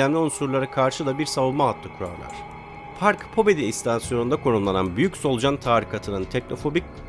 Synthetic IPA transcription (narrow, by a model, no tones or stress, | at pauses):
æmlʲiunsuɾlˠaɾakʰaɾʃɯd̪ˠabiɾsavulˠmaɦat̪lˠɯkʰuɾa̰ɾlˠa̰ɾ̥ | faɾkpʰo̞be̞d̪iːst̪ʰansijo̞nund̪akʰo̞ɾunlˠananbyjycso̞lˠd͡ʒant̪ʰaːɾikʰat̪ʰɯnɯnt̪ʰɛc̚no̞fo̞bic̚ʲ